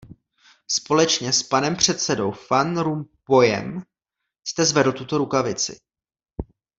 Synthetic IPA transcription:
spo̞lɛt͡ʃɲɛspanɛmpr̝̥ɛt̪sɛdo̞wfanɾumpo̞jɛ̰m | st̪ɛzvɛdl̩t̪ut̪o̞ɾukavɪt͡sɪ̰

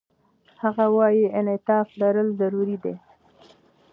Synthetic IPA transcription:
haɣawɑjiɪnɪt̪ɑflaɾəlzaɾuɾid̪ḛ

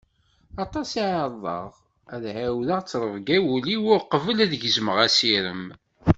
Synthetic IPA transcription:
ɑt̪ˤɑsiʕɑɾˤðˤɑ̰ʁ | æðʕawðəʁt͡sːɾˤəvɡæwuliwʊɾqəvəlæðəʝzməʁæsiɾə̰m

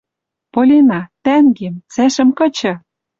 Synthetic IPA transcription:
polʲenɑt̪æŋɡemt͡sæʃɘ̆mkɤ̆t͡ɕɤ̆

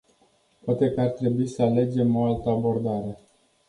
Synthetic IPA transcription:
poat̪e̞kəart̪ɾe̞buisəale̞d͡ʒe̞mo̞alt̪əabo̞rd̪aɾe̞

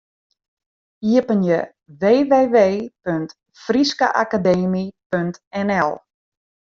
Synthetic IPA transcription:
iəpənjə | ʋeːʋeːʋeːpønt | friska̰ʔakadeːmipøntɛnɛlˠ

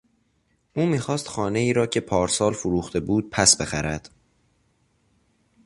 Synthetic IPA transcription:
ʔuːmiːxɒːst̪xɒːne̞iːɾɒːcʰe̞pʰɒːɾsɒːlfoɾuːxt̪ʰe̞buːd̪̥̚pʰæsbe̞xæɾæd̪̥

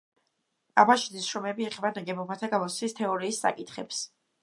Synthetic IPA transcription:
abaʃid̪isʃɾɔmɛbiɛχɛbanaɡɛbɔbat̪ʰaɡamɔt̪sʰist̪ʰɛɔɾiːsːa̰kʼit̪ʰχɛps

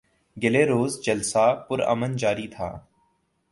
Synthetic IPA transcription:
ɡɪleːɾoːzd͡ʒəlsaːpʊɾə̰mənd͡ʒaːɾiːt̪ʰa̰ː

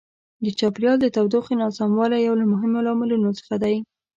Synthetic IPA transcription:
d̪ət͡ʃɑpɾijɑld̪ət̪awd̪oxenɑsamwɑlajawlamʊɦɪmolɑmɪlunot͡sə̥xad̪aj

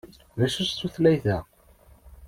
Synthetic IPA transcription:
ðæʃæst̪ːuθlæjθæ

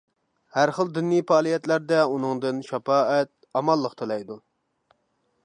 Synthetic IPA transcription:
hæɾχəlˠd̪ynːijpɑːlˠijɛt̪læɾd̪ɛunɨŋd̪ɨnʃɑpɑːɛt̪̚ɑmɑlˠːəqt̪ʰɨlˠɑjd̪u

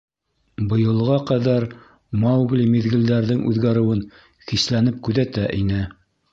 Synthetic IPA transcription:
bɤ̆jɤ̆lˠʁɑqæðæɾ | mɑwɡlʲimiðɡɘ̆ld̪æɾðɘŋʔʉ̰ðɡæɾɘ̆wɘn | xislænɘp̚kʉðæt̪æʔinɘ

